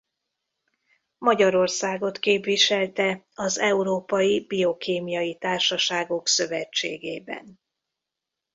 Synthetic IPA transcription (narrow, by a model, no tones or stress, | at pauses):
mɒɟɒɾo̞rsaːɡo̞t̪keːpʋiʃɛlt̪ɛ | ɒzɛuɾoːpɒjibio̞keːmijɒjit̪aːrʃɒʃaːɡo̞ksø̞vɛt͡ʃːeːɡeːbɛ̰n